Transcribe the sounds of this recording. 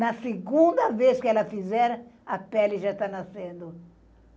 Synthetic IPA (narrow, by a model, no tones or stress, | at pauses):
nɐseɡũnd̪ɐveskɪɛlɐfizɛɾɐɐpɛlɪʒaist̪anasẽnd̪ʊ